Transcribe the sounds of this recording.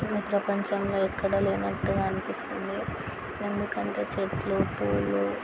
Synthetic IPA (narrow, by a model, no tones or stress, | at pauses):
miːpɾɐpɐɲt͡ʃɐmlo̞ːikːɐɽɐleːnɐʈːuɡaːnipist̪und̪i | e̞nd̪ukɐɳʈe̞̰ːt͡ʃetlupuːlu